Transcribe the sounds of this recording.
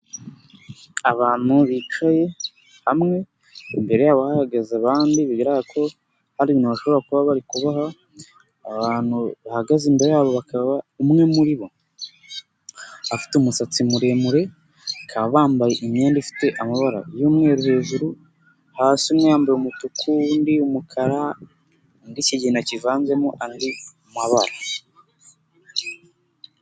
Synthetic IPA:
aβaːn̥huβit͡ʃaje̞ | hamŋe̞ | imbe̞ɾe̞jaːβahahaɡazaβaːndiβiɡiɾaɡakʰo̞ | haɾiβiːnhuβaʃo̞βoɾakuβaβaɾikuβahaː | βaːnhuβahaɡaziːmbe̞ɾejaːβo̞βakaβaumŋe̞muɾiβo̞ | afi̥teumusat͡simuɾe̞muɾe̞ | kʰaββaːmbajeʔimɲe̞ːndifi̥te̞ʔamaβaɾa̰juːmŋe̞ːɾuhe̞ːʒuɾu | haːsiumŋejaːmbajumutukʰundiumukʰaɾa | ndiciɟinacivaːnze̞muʔandi | maβaɾa

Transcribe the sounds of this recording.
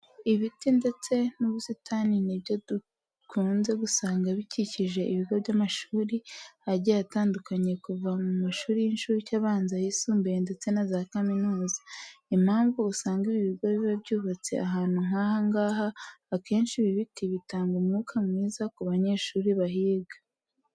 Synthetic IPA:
iβitinde̞t͡se̞nuβusitʰaniniβjodu | kʰuːnze̞ɡusaːŋɡaβiciciʒe̞ʔiβiɡoβɟamaʃuːɾiaɾɟaataːndukaɲe̞kuvamumaʃuːɾijinʃuːɾicaβaːnzajisuːmbende̞t͡se̞nazakaminuːzḁim̥haːɱvuːsaːŋɡiβiβiɡoβiβabɟuːβat͡se̞̰aɦaːn̥huŋ̥ahaŋɡaːɦaːke̞ːnʃiβiβitiβitaːŋɡumŋuːkʰamŋiːzakuβaɲe̞ːʃuːɾiβaɦiːɡḁ

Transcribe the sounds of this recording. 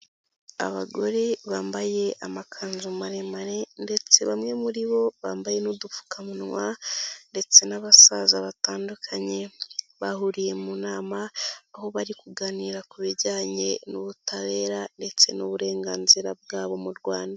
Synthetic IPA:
a̰βaɡo̞ɾe̞βaːmbaje̞ʔamakʰaːnzumaɾe̞maɾe̞nde̞t͡se̞βamŋe̞muɾiβo̞βaːmbaje̞nudufu̥kamunwande̞t͡se̞naβasazaβataːndukʰaɲe̞βaɦuɾije̞munaːmaːho̞βaɾikuɡaniɾakuβiɾɟaːɲe̞nuβutaβe̞ːɾande̞t͡se̞nuβuɾe̞ːŋɡaːnziɾab̚ɡaːβo̞muɾɡwaːnda

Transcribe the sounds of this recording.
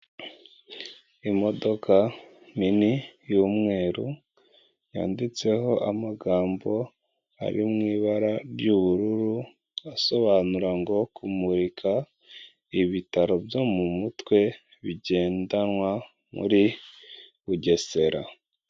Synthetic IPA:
imo̞do̞kʰa | minijumŋe̞ːɾu | ja̰ːndit͡se̞ɦo̞ʔamaɡaːmbo̞ | a̰ɾimŋiːβaɾaɾjuːβuɾuɾu | aso̞βaːnuɾaŋɡo̞kumuɾikʰa | iβitaɾo̞bjo̞mumutwe̞ | βiɟe̞ːndanwa | mṵɾi | βuɟe̞se̞ɾa̰

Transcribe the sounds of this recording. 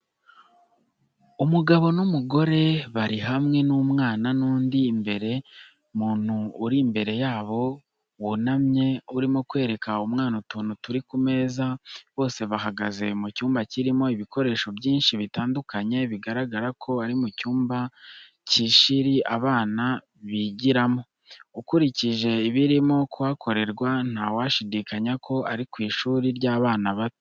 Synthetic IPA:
umuɡaβo̞numuɡo̞ɾe̞βaɾiɦamŋe̞numŋaːnanuːndiːmbe̞ɾe̞ | muːn̥huːɾimbe̞ɾe̞jaːβo̞ | wunamɲe̞uɾimo̞kwe̞ːɾe̞kaumŋaːnutuːnutuɾikume̞ːzaβo̞ːse̞βahaɡaze̞mucuːmbaciɾimo̞iβiko̞ɾe̞ːʃo̞bjiːnʃiβitaːndukaɲe̞βiɡaɾaɡaɾakʰo̞aɾimucuːmba | ciʃiɾiʔaβaːna | βiɟiɾamo̞ | ukuɾiciʒe̞iβiɾimo̞kuwakʰo̞ɾe̞ɾɡwan̥haːwaʃidikaɲakʰo̞ʔaɾikwiːʃuːɾiɾɟaːβaːnaβatu̥

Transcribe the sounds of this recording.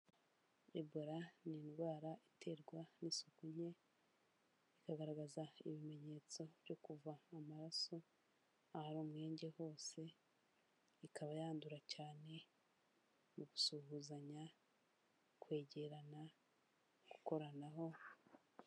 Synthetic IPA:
eboɾaninɡwaːɾaitʰe̞ɾɡwanisokuɲe̞ | ikaɡaɾaɡazaiβime̞ɲe̞ːt͡so̞βɟo̞kuvaːmaɾaso | ahaɾuːmŋe̞ːɲɟe̞ho̞ːse̞ | ikaβajaːnduɾacaːne̞ | muɡusuhuzaɲa | kwe̞ːɟe̞ɾana | ɡuko̞ɾanaɦo̞

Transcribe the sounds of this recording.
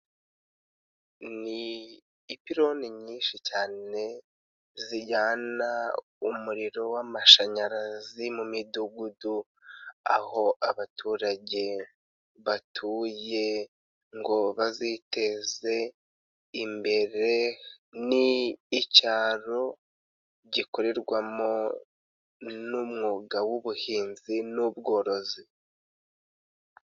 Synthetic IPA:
niː | piɾo̞niɲiːnʃicaːne̞ | ziɟaːna | umuɾiɾo̞wamaʃaɲaɾazimumiduɡudu | a̰ho̞ʔaβatʰuːɾaɟe̞ | βatʰuːje̞ | ŋɡo̞βazite̞ze̞ | imbe̞ɾe̞ | niːcaːɾo̞ | ɟiko̞ɾe̞ɾɡwamo̞ | numŋuɡawuβuhiːnzinubɡo̞ːɾo̞zi

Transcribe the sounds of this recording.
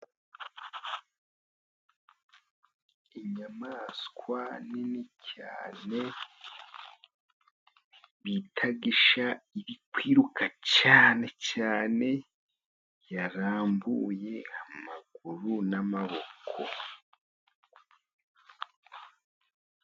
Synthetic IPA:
iɲamaːskwaninicʰa̰ːne̞ | βitʰaɡiʃaiβikwiːɾukacaːne̞caːne̞ | jaɾaːmbuːje̞amaɡ̥uɾunamaβo̞kʰo

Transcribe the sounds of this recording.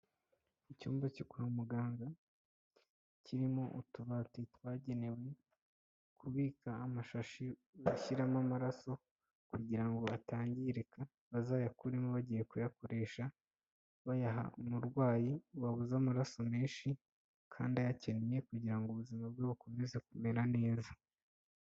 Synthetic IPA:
icuːmbacokuɾamuɡaːŋɡa | cʰiɾimo̞ʔutuβatetwaːɟe̞ne̞we̞ | kʰuβiːkaːmaʃaʃiaçiɾamamaɾaso̞ | kuɟiɾaŋɡo̞ataːɲɟiɾeka | βazaːjakuɾemoβaɟije̞kujako̞ɾe̞ːʃa | βajaɦa̰umuɾɡwaːjiwaβuzamaɾaso̞meːnʃi | kʰa̰ːndiajace̞nije̞kuɟiɾaŋɡuβuzimab̚ɡoβuko̞meze̞kume̞ɾane̞ːza

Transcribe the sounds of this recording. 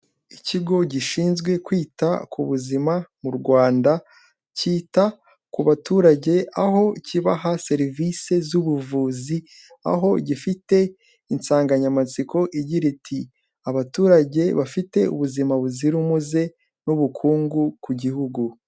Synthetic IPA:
iciɡo̞ɟiʃiːnzɡwe̞kwiːta̰kʰuβuzimamuɾɡwaːnda | ciːta | kuβatuːɾaɟe̞aɦo̞ciβaɦase̞ɾvise̞zuβuvuːzi | a̰ɦo̞ɟifite̞ | insaːŋɡaɲamat͡siko̞ʔiɟiɾitʰi | aβatuːɾaɟe̞βafite̞ṵβuzimaβuziɾumuze̞ | nuβukʰuːŋɡukuɟihuɡu

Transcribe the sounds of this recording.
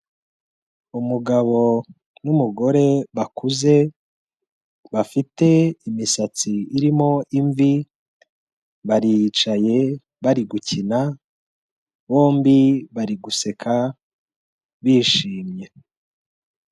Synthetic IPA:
umuɡaβo̞ | numuɡo̞ɾe̞βakuze̞ | βafite̞imisat͡siːɾimo̞ʔiɱvi | βaɾit͡ʃaje̞ | βaɾiɡucina | βo̞ːmbiβaɾiɡuse̞kʰa | βiːʃiːmje̞

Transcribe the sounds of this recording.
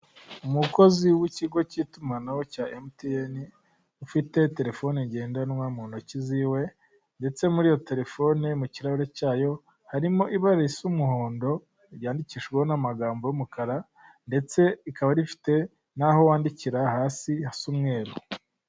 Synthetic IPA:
umuko̞ziwiciɡo̞citumanawocaːʔemtieni | ufite̞te̞ɾe̞fo̞neɲɟe̞ːndanwamunociziːwe̞ | nde̞t͡se̞muɾijo̞te̞ɾe̞fo̞nemuciɾaβiɾecaːjo̞ | haɾimo̞ʔiβaɾasumuho̞ːndo̞ | ɾjaːndiciʃɡweho̞namaɡaːmbo̞jumukaɾa | nde̞t͡se̞ikaβaɾifi̥te̞ | naho̞waːndiciɾahaːsihasumŋe̞ːɾo

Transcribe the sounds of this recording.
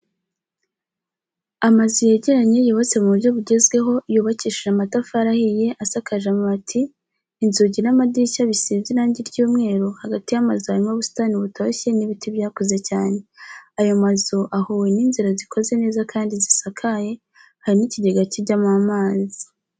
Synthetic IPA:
amazuje̞ɟe̞ɾaɲe̞joːβot͡se̞muβuɾɟo̞βuɟe̞zɡwe̞ɦo̞juːβaciːʃiʒamatafaɾahije̞ʔasakʰaʒamoatʰiː | nzuɟinamadicaβisiːzinaːɲɟiɾɟuːmŋe̞ːɾohaɡatijamazohaɾimaβusu̥taːniuβutʰoçe̞niβitʰiβjaːko̞ze̞caːne̞ajomazoʔahoːwe̞ninziɾazikʰo̞ze̞ne̞ːzakʰaːndizisakʰaje̞ | haɾiniciɟe̞ɡaciɟamamaːzi

